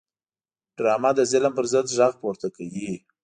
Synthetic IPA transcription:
ɖɾɑmad̪əzɪləmpəɾzəd̪ʒɑɣpoɾt̪akawi

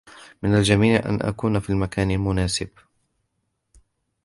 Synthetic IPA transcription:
mɪnald͡ʒamiːʕʔa̰nʔa̰kuːnafiːlmakaːnɪlmʊnaːsɪb

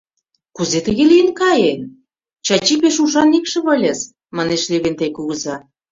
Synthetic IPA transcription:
kuzet̪ə̆ɣelijənkɑjen | t͡ɕɑt͡ɕipeʃuʃ̬ɑnikʃə̆βɤ̆lʲes | mɑneʃleβent̪ekuɣə̆zɑ

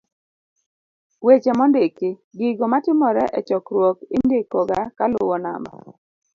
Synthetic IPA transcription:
wet͡ʃemɔndɪkɪɡɪɡɔmatɪmɔɾɛʔɛt͡ʃɔkɾwokɪndekːɔɡakalʊwɔna̰mba̰

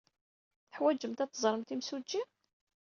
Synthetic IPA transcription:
θəħwæd͡ʒːəmt̪æt̪ːəzˤɾˤəmt̪imsud͡ʒːi

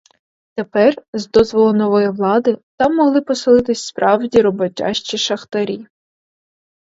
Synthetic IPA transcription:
t̪epɛrzd̪ɔzʋɔlˠɔmnɔʋɔjiʋlˠɑd̪ɪt̪ɑmːɔɦlˠɪpɔsɪlˠɪt̪ɪsʲspɾʔɑwdʲiɾɔbɔtʲɑ̰ʃt͡ʃiʃɐxt̪ɐɾʲi

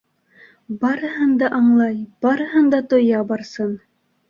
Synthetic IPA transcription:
bɑɾɤɦɤnd̪ɑʔɑɴlˠɑjb̥ɑɾɤhɤnd̪ɑt̪ŏjɑbɑɾsɤn

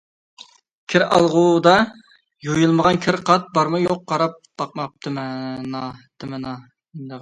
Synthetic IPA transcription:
kʲʰɪɾɑ̰lˠʁud̪ɑ | jojɨlˠməʁɑnkʲʰɪɾqʰɑt̪̚bɑɾmɨjoqːɑɾɑp̚t̪ɑq̚mɑp̚d̪̥ɪmnɑd̪̥ɪmɪnɑ | nd̪ɨʁ

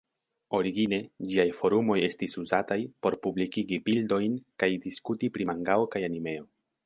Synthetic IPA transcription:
o̞ɾiɡine̞d͡ʒiajfo̞ɾumo̞je̞stisuzatajpo̞ɾpublikiɡibildo̞jnkajdiskutipɾimaŋɡaokajanime̞o̞

